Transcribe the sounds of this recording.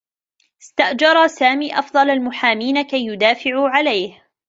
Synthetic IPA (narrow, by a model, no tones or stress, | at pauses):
ɪst̪aʔd͡ʒɑɾˤɑsaːmiːʔɑfd̪ˤɑlalmʊħaːmiːnakajːʊd̪aːfɪʕuːʕalajh